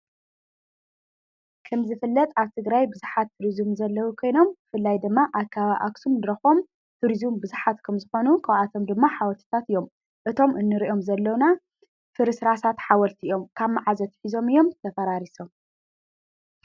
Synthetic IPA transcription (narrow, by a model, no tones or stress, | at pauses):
kʰɐmzɨfɨlːɐt̪ʼaβt̪ʰɨɡɾajbɨzuħat̪ʰːuɾizumzɐlːɐwukʰo̞jno̞mbɨfɨlːajd̪ɨmːaʔakʰːaβaʔaksumnɨɾɐxo̞m | t̪ʰuɾizumbɨzuħat̪kʰɐmzɨxo̞nukʰawʔat̪ʰo̞md̪ɨmːaħawɐlt̪ʰɨ̥t̪ʰat̪ɨjo̞m | ʔɨt̪ʰo̞mʔɨnːɨɾiʔo̞mzɐlːɐwna | fɨɾɨsɾasat̪ħawɐlt̪ʰiʔijo̞mkʰaβmaʕazɐt̪ʰħizo̞mɨjːo̞mt̪ʰɐfɐɾaɾiso̞m